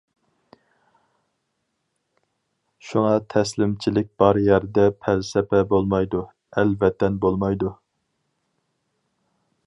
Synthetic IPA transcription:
ʃuŋɑt̪ʰɛslɪmt͡ʃʰilɪk̚ʲb̥ɑɾjɛɾd̪ɛpʰɛlsɛpʰɛbolˠmɑjd̪u | ɛlvɛt̪ʰːɛnbolˠmɑjd̪u

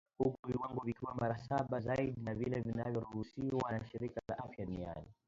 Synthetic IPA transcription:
hukuviwaŋɡɔvikiwamaɾasaɓazaiɗinavilɛvinavjɔɾuhusiwanaʃiɾikalaʔafjaɗunia̰ni

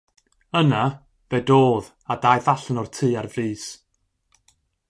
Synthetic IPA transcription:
əna | vɛdoːð | adajvaɬənɔrtʰɨːarvriːs

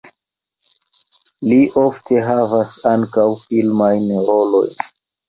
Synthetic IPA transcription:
liʔo̞ftʰe̞ɦavasaŋkawfilmajnɾolo̞̰jn

